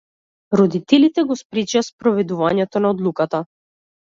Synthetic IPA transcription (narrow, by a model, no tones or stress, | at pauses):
ɾɔd̪it̪ɛlit̪ɛɡɔspɾɛt͡ʃaspɾɔvɛd̪uvaɲɛt̪ɔnaɔd̪lˠukat̪a